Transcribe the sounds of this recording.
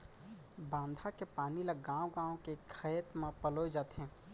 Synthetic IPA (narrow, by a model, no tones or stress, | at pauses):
bãːnd̪ʱakepaːniləɡãwɡãːõkekʰəət̪mepəlojd͡ʒaːt̪ɛ̃